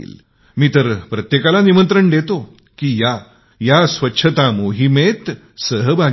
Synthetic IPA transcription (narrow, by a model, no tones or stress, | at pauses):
ḭːl | miːt̪əɾpɾət̪jekalanimənt̪ɾəɳɖ̪et̪o | kiːja | jasʋətːɕʰət̪amoɦimet̪ | səɦəbʱa